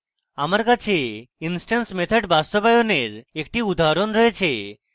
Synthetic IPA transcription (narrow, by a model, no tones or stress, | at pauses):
amaɾkat͡ɕʰeinsʈansmet̪ʰaɖbast̪obajoneɾekʈiud̪aɦɾonɾɔet͡ɕʰe